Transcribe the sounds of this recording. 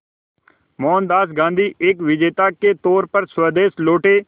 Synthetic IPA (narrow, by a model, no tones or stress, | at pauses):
mɔːnd̪aːsɡãːnd̪ʱiːʔeːkʋɪd͡ʒeːt̪aːket̪ɔːɾpəɾswəd̪eːsloːʈeː